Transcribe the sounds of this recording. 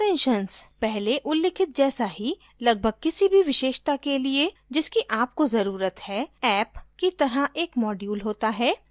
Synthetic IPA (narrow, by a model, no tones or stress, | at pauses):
ɛ̃ːnʃənspɛɦleʔʊlːɪkʰɪt̪̚d͡ʒɛːsaɦi | lɐɡ̚bʱəɡ̚kɪsibʱiʋɪʃeːʃt̪akelie | d͡ʒɪskiʔaːp̚kozɐɾuːɾət̪hɛːɛːpkit̪ɐɾəɦeːkmɔːɖjuːlɦoːt̪aɦɛː